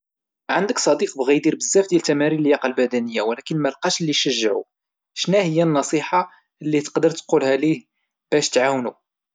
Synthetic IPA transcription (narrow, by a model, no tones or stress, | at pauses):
ʕand̪əksˤɑd̪iqbɣid̪iɾbəzːæfd̪jælt̪æmæɾiləljɑqɑlbæd̪ænəjːawlækənmælqɑʃlːiʃəʒːəʕṵ | ʃnæhəjːænːɑsˤiħɑ | lːit̪ə̥qd̪əɾˤt̪qulhælih | b̥æʃt̪ʕawnu